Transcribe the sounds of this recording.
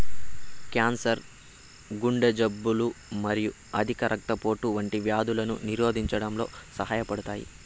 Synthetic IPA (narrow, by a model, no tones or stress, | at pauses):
kaːnsɐɾ | ɡuɳɖɐd͡ʒɐbːulumɐɾiju | ɐd̪ʱikɐɾʔɐk̚t̪ɐpo̞ːʈuʋɐɳʈiʋjaːd̪ulɐnṵniɾo̞ːd̪ʱiɲt͡ʃɐɽɐmlo̞ːsɐɦaːjɐpɐɽut̪aːjḭ